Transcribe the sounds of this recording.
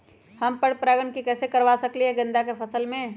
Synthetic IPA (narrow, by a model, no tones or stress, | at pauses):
həmpəɽpɾaːɡəɳkikɛːsekəɾʋasəkliɦɛɡə̃nd̪akepʰəsəlmẽ